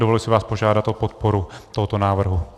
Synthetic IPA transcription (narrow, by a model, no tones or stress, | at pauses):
dovolɪsɪvaːspo̞ʒaːdat̪ʔopot̪̚poɾut̪oɦot̪onaːvr̩ɦu